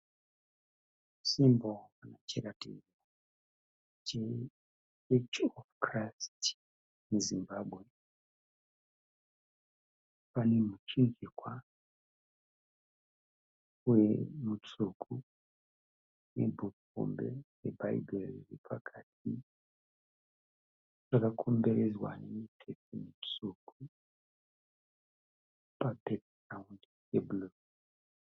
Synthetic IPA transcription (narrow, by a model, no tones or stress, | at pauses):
simbonat͡ʃekatḭ | a | t͡ʃe | et͡ʃofkrast | muzimbabʱɣe̞ | pane̞mut͡ʃind͡ʒikwa | ujemut͡sukʰu | nḛbuk | o̰mbḛjeba̰iberiripʰakʰatʰi | ʐ̥akakʰombeɾezwa̰nemitʰepemit͡sukʰu | pabekrawnd | jebuloɡ